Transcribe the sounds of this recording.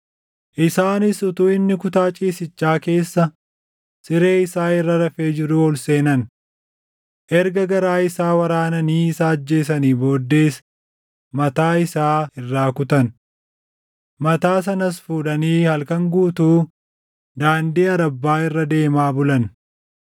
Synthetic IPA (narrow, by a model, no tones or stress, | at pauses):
ʔɪsaːnɪsʊt̪uːɪnːɪkʊt̪aːt͡ʃʼiːsɪt͡ʃːaːke̞ːsːɐ | sɪɾe̞ːɪsaːɪrːɐɾɐfeːd͡ʒɪɾʊɔlseːnɐn | ʔɛɾɡɐɡɐɾaːɪsaːwɐɾaːnɐniːɪsaːɐd͡ʒːe̞ːsɐniːbo̞ːd̪ːe̞ːs | mɐt̪aːɪsaːɪrːaːkʊt̪ɐn | mɐt̪aːs̬ɐnɐs̬fuːᶑɐniːhɐlkɐŋɡuːt̪uː | d̪aːnd̪iːɐɾɐbːaːɪrːɐd̪e̞ːmaːbʊlɐn